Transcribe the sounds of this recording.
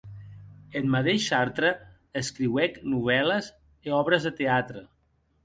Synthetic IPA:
ət̪mət̪eʃaɾt̪ɾəː | skɾiwɛknuβ̞ɛləz | eɔβɾəzðət̪eat̪ɾə

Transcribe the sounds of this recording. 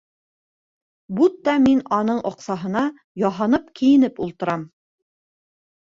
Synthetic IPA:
but̪ːɑminɒnɤɴʔŏqsɑɦɤ̆nɑ | jɑɦɑnɤpkĭjɘ̆nɘpulˠt̪ɤ̆ɾɑm

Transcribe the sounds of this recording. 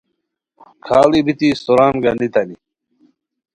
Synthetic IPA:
kʰaːlibit̪ist̪oɾaːnɡɐnit̪ɐni

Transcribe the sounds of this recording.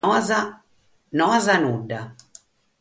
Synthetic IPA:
za | nɔzanuɖːa

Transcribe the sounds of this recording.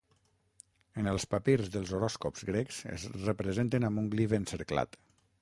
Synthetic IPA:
ənəlˠspapiɾzðəlˠzoɾɔskopzɣɾeksə̰zrəpɾəzent̪ənambuŋɡliβensəɾkla̰t̪

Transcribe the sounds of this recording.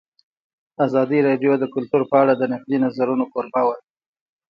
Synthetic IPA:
azɑd̪iɾɑɖjod̪əkʊlt̪uɾpəaɽad̪ənaqd̪inazaɾunokoɾbawa

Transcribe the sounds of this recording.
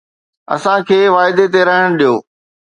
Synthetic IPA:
ɐ̰sãkʰeːʋaːɪd̪et̪eɾɐɦəɽ̃ɗijoː

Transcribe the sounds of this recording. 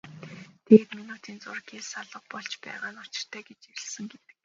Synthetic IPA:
t̪ʰeːt̪minut̪ʰiːnt͡sʊrɡeːsaɮə̆q̚pɔɮt͡ɕpæ̰ːʁaːnʊt͡ɕɪ̥̆r̥t̪ʰæːɡet͡ɕiɾʲɘ̆ɮsɘ̆ŋɡet̪ɘ̥̆k

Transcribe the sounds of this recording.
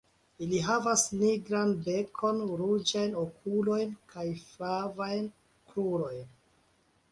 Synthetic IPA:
iliɦavasniɡɾanbe̞kʰo̞nɾud͡ʒajnokʰulo̞jnkʰajflavajn | kɾuɾo̞jn

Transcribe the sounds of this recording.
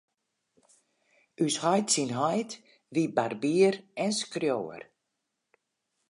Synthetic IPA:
yshɔjtsinɦɔjt | ʋibarbiəɾɛnskrjoːə̰r

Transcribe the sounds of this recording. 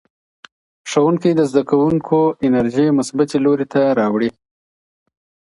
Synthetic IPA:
ʂawuŋkid̪əzd̪akawuŋkʰoɪnaɾʒimʊsbat̪eloɾit̪aɾɑwɽi

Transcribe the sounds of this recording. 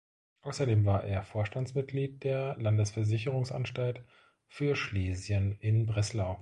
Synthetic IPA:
ʔaʊsɐdeːmvaːɐʔeːɐfoːɐʃtant͡smɪt̚ɡ̥liːt̚d̥eːɐlandəsfɛɐzɪçəʁ̞ʊŋsʔa̰nʃtalt | fyːɐʃleːzjənɪnbʁɛslaʊ

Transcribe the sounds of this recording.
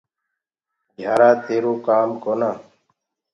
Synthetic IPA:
d͡ʒʱaːɾaːt̪ʰeːɾoːkaːmkoːnaː

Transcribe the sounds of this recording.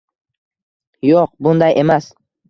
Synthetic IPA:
joqbʊnd̪ajʔe̞mas

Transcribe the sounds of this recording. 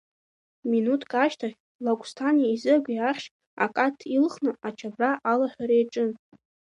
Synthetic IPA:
minutʰkʼaʃtʰaχʲ | laɡʷʼstʰaniaizɨɡʷʲiaχʲ | a̰kʼatʰilχnɨat͡ʃʰabraʔalaħʷᶣaɾejʈ͡ʂʼɨn

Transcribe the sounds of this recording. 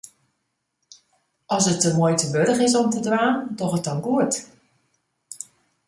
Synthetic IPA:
ɔsətːəmuəjtəbødəxɪs̬ɔmtədraːndɔxət̚ɔnɡuət

